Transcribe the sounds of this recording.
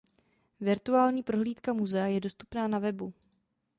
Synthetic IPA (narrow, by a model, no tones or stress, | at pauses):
vɪɾt̪uaːlɲiːpɾo̞ɦliːt̪kamuzɛajɛdo̞st̪upnaːnavɛbu